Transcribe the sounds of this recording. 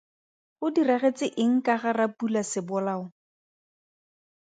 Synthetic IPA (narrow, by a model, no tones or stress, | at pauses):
χʊdiraɣet͡sɪʔɪŋ̩kaɣarapulasɪbʊlaːʊ